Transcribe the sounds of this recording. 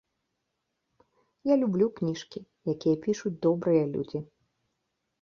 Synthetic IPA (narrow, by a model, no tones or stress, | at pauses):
jalʲublʲuknʲiʂkʲi | jakʲijɐpʲiʂut͡sʲd̪ɔbɾɨjɐlʲṵd͡zʲi